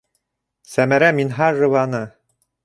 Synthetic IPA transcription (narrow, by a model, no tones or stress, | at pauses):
sæmæɾæminɦɑrːɤ̆vɑnɤ